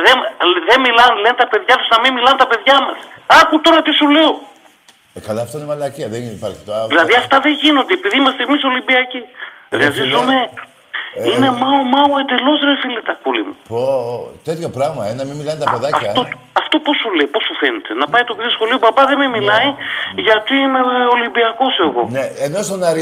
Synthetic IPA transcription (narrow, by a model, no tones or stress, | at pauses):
ðemðe̞milɐnlent̪ɐpe̞ðʝɐt̪uznɐmimilɐnt̪ɐpe̞ðʝɐmɐsɐput̪o̞ɾɐt̪isule̞o | kɐlɐːft̪oinemɐlɐciɐðenipɐɾçi̥t̪oðilɐðiɐft̪ɐðe̞ʝino̞nd̪eepiðiimɐst̪eːmiso̞libiɐciɾiɐzizume̞ | ine̞mɐomɐoe̞nd̪e̞lo̞zɾefilit̪ɐkulḭmṵpot̪et̪çopɾɐɣmɐenɐmimːilɐnt̪ɐpeðɐcɐt̪o | ɐft̪o̞posule̞ipo̞sufe̞net̪e̞nɐpɐit̪o̞piðosxo̞lio̞bɐbɐðe̞me̞milɐiʝɐt̪iineolimbiɐko̞seɣo̞̰neenost̪onɐɾi